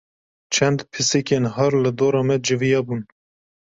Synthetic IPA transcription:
t͡ʃʰɛnd̪pʰɨsekenɦɑɾlɨd̪oːɾɑːmɛd͡ʒɨvijɑbuːn

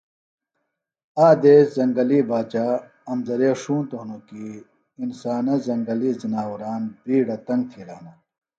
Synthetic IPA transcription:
aːd̪eːszɐŋɡɐliːbaːt͡ɕa | ɐmzɐɾeːʂuːnt̪oɦnokiː | nsaːnɐzɐŋɡɐliːzinaːwuɾaːnbiːɽɐt̪ɐŋɡ̚t̪ʰiɾaːnɐ

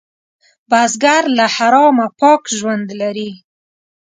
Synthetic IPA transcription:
bazɡaɾlahaɾɑmapɑkʒwand̪laɾi

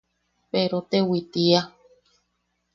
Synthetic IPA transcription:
peɾot̪ewit̪ia

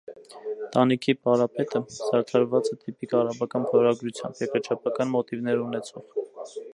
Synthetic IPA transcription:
t̪ɑnikʰipɑɾɑpɛt̪əsɑɾt̪ʰɑɾvɑt͡sɛt̪ʰipikɑrɑbɑkɑnpʰɔɾɑɡɾut͡sʰjɑ̰mbjɛkəɾt͡ʃʰɑpʰɑkɑnmɔt̪ivn̪ɛɾunɛt͡sʰɔʁ

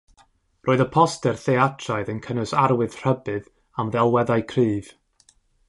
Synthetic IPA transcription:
roːɨðəpʰɔstɛrθeatʰrajðənkʰənʊsaɾwɨð̥r̥əbɨð | amðɛlˠwɛðaɨkʰriːv̥

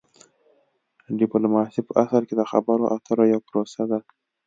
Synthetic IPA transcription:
ɖipalmɑsipəʔasaɾked̪əxa̰baɾoʔat̪ʰəɾojapɾosad̪a

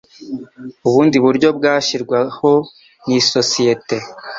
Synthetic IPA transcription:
uβuːndiβuɾɟo̞bɡaːʃiɾɡwaho̞ | niso̞sije̞te̞

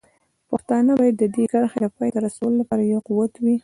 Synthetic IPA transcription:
paxt̪ɑnəbɑjad̪ːəd̪ekaɾxed̪əpɑjd̪əɾasawəlolapɑɾajawquwat̪wi

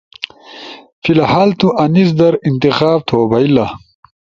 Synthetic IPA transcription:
filɐhaːlt̪uʔɐnis̬d̪ɐɾint̪ixaːb̚t̪ʰoːbɐilɐ

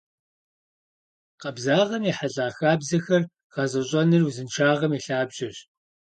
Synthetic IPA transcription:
qɐbzaːʁɐmiːħaɮʼaːxaːbzɐxɐr | ʁɐzɐɕʼɐnɨruzɨnt͡ʃʰaːʁɐmiɬaːbʑɪɕ

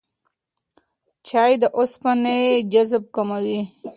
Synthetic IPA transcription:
t͡ʃɑːjd̪əʔʊspaned͡ʒazb̚kamawi

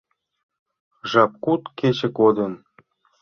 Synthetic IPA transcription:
ʒɑp̚kut̪ket͡ɕĕkod̪ən

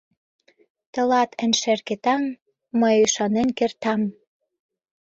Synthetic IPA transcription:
t̪ə̆lɑt̪ə̆nʲʃerket̪ɑmː | əjyʃɑnenkert̪ɑm

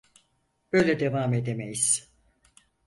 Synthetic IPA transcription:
b̥øjlʲɛd̪evaːme̞d̪emejiz̥

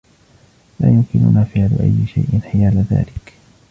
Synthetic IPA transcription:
laːjʊmkɪnʊ̰naːfɪʕlʊ̰ʔa̰jːɪʃajʔɪnħɪjaːlaða̰ːlɪk

